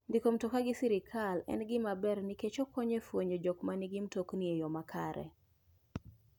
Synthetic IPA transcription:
ndikom̩tokaɡɪsiɾɪkʰalɛ̰nɡɪmabɛrnɪket͡ʃokɔɲefwoɲɔd͡ʒɔkmaniɡɪmtoknɪejɔmakʰaɾɛ̰

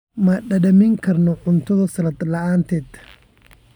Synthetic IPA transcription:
mɐɗɐdɐmɪŋkʰɐɾnɔʕʊnt̪ɔðɐsɐlɐt̪lɐʔaːnt̪ɛt̪

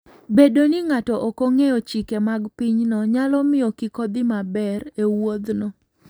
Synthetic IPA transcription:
bedoniŋatɔʔokoŋejɔt͡ʃikemaɡpiɲnɔɲalɔmɪɔkikod̪ɪmabɛɾewod̪nɔ

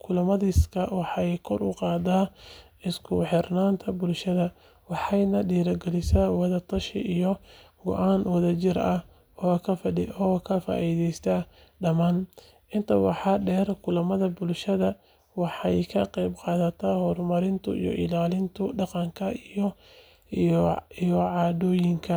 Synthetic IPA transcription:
kʰʊlɐmɐðɪskʰɐwɑħɑjkʰɔrʊqɑːd̪aːʔɪskʰʊħɪrnaːnt̪ʰɐbʊlʃɐðɐ | wɑħɑjnɐɖiːɾɐɡɛlɪsawɑðɐt̪ʰɐʃɪʔijɔ | ɡɔ̰ʔaːnwɐðɐt͡ʃɪɾɐ | ɔːkʰɐfɔːkʰɐfa̰ːʔiːðɛjst̪ʰa | ɖɐmaːn | ʔɪnt̪ʰɐwɑ̰ħɑɖɛːrkʰʊlɐmɐðɐbʊlʃɐðɐ | wɑħɑjkʰɐqɑjbqɑːðɐt̪ʰahɔrmɐɾɪnt̪ʰʊḭjɔ̰ʔɪ̰laːlɪnt̪ʰʊɖɑqɑŋkʰɐijɔ | ijɔʕɑːdɔːjɪŋkʰɐ

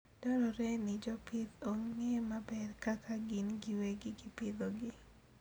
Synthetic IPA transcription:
d̥ɔɾɔɾɛnɪd͡ʒɔpɪd̪oŋŋemabɛrkakʰaɡɪnɡɪweɡɪɡɪpɪd̪oɡɪ

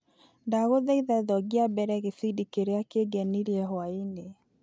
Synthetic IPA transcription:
ndaɣoðɛiðɛðɔɡiabɛɾɛɣefidikeɾeakeɡɛniɾiɛɦwaine

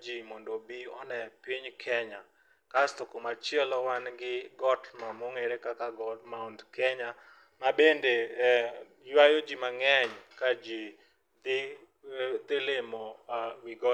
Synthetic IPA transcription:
d͡ʒimɔndobiɔ̰nɛpiɲkʰɛɲa | kast̪ɔkomat͡ʃjɛlɔwanɡɪɡɔtmamoŋeɾekakaɡɔmaundkɛɲa | mabende | jwajod͡ʒimaŋɛɲkad͡ʒi | d̪ɪ | d̪elemowiɡɔ

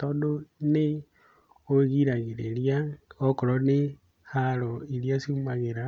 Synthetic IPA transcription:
tɔdone | oɣiɾaɣeɾeɾjaokoɾɔne | haɾoeɾjasiumaɣeɾa

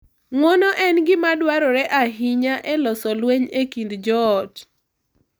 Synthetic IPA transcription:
ŋɔnɔʔɛnɡɪmadwaɾɔɾɛʔaɦiɲaʔɛlɔsɔlweɲekindd͡ʒɔːt

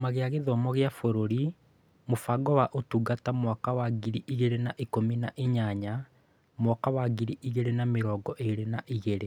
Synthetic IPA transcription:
maɣeaɣeðɔmɔɣeafoɾoɾi | mofaɡɔwaʔotuːɡatamwakawaɡiɾiʔiɣeɾenaʔikominaʔeɲaɲa | mwɔkawaɡiɾiʔiɣeɾenameɾɔːɡɔʔeɾenaʔiɣeɾe

